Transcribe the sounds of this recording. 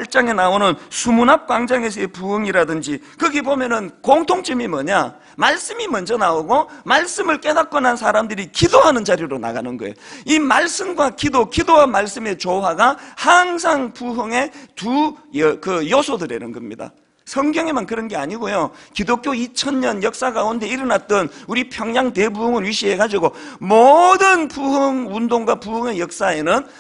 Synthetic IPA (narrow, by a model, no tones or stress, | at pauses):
aɭt͡ɕ͈aŋe̞naonɯnsʰumunap̚k͈waŋd͡ʑaŋe̞s̬ʰʌepuɦɯŋiɾadɯnd͡ʑikɯɡebomjʌnɯnkoŋtʰoŋt͡ɕ͈ɯmimʌɲa | maɭs͈ɯmimʌnd͡ʑʌnaoɡomaɭs͈ɯmɯɭk͈e̞dak̚k͈ʌnansʰaɾamdɯɾikidoɦanɯnt͡ɕaɾjoɾona̰ɡa̰nɯnɡʌ̰ḛjoimaɭs͈ɯmɡwakidokidoɦanmːaɭs͈ɯme̞t͡ɕoɦaɡahaŋsʰaŋpuɦɯŋe̞tujʌkɯjosʰodɯɾe̞nɯnɡʌmɲida̰ | sʰʌŋɡjʌŋemankɯɾʌnɡe̞aɲiɡojokidok͈joit͡ɕʰʌnɲʌnjʌk̚s͈aɡaunde̞iɾɯnat̚t͈ʌnuɾipʰjʌŋɲaŋte̞bumɯnɥiɕʰie̞ɡad͡ʑiɡomodɯnpuɦɯŋundoŋɡwapuɦɯŋe̞jʌk̚s͈ae̞nɯn